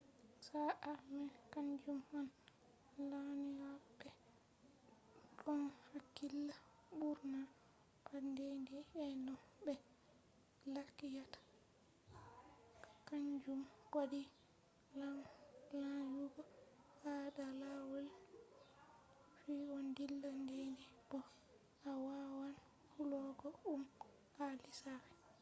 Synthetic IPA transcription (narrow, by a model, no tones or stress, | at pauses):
saʔamɛkaɲd͡ʒumhɔn | laniwabɛ | ɗɔnhakːilːa | ɓuɾna | kandendiɛnɔbɛ | lakːijatḁ | kaɲd͡ʒumkadi | lalajuɡɔadalawɛl | fiwɔndilːandendib̥ɔ | awawan | kulɔɡɔum | alisaɾɛ